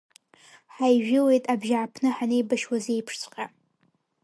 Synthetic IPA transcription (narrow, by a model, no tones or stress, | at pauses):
ħajʒᶣɪle̞jtʼabʒaʕːpʰnɨħanejbaʃwazejpʰʂt͡sʷʰʼqʲʼa